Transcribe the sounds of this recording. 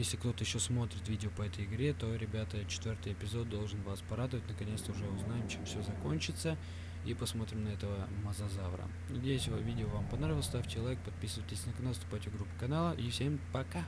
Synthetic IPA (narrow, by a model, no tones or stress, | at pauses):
jesʲlʲɪkt̪o̞t̪əjɪɕːo̞smo̞t̪ɾʲɪt̪vʲidʲɪopəɛt̪əjɪɡɾʲe̞t̪o̞ɾʲɪbʲat̪ət͡ɕɪ̥t̪vʲo̞rt̪ɨjɪpʲɪzo̞d̪̚ːo̞lˠʐɨnvaspɐɾad̪əvətʲnəkɐnʲest̪əʊʐɛʊznajɪmt͡ɕɪmfsʲozɐko̞nʲt͡ɕɪt̪sə | ipɐsmo̞t̪ɾʲɪmnɐɛt̪əvəmɐzɐzavɾə̰ | nɐdʲejɪsʲvɨvʲidʲɪovampɐnɾavʲɪlˠst̪afʲtʲɪjɪlˠɛk̚pɐt̪̚pʲisɨvəjtʲɪsʲnəkɐnaəst̪ʊpajtʲɪɡɾupːɨ̥kɐnalˠəʔifsʲe̞mpɐka